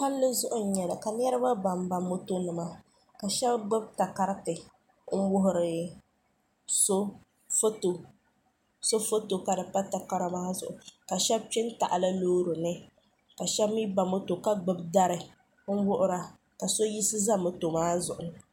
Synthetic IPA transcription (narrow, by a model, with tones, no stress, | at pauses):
ha˦lːɨ˦zʊ˦ʔʊ˦n̩˦ɲɛ˨la˨ka˨n˦ɛ˦ɾɨ˦ba˦ba˨m˦ba˨mːo˦to˦nɨ˨ma˦ | ka˨ʃɛ˦bɡ͡bɨ˦b̚ta˨ka˦ɾɪ˦tɨ˨ | ŋ̩˦wʊ˦ɦʊ˦ɾɪ˨ | so˦ | fo˦to˨ | so˦fo˦to˨ka˨dɨ˨pa˦ta˨ka˦ɾa˦ma˦zʊ̰˨ʔʊ˨ka˨ʃɛ˦b̚pɪ˦nta̰˨ʔa˨la˦loː˦ɾʊ˨nɨ˦ | ka˨ʃɛ˦bmi˦ba˨mːo˦to˨ka˦ɡ͡bɨ˨b̚da˦ɾɨ˨ | ŋ̩˦wʊ˦ʔʊ˦ɾa˨ | ka˨so˦ji˦sɨ˦za˦mɨ˦to˨maː˦zʊ̰˨ʔʊ˨